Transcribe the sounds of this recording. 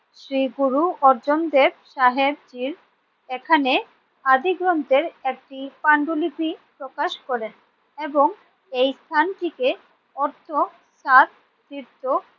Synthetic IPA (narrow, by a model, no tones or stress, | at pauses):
ʃɾiɡuɾuɔɾd͡ʑond̪eb̚ʃaɦeb̚d͡ʑiɾ | ekʰane | ad̪iɡɾɔnt̪eɾek̚ʈipaɳɖulipipɾokaʃkɔɾen | eboŋ | ejst̪ʰanʈike | ɔɾt̪ʰo | sat̪̚ | d̪iɾt̪o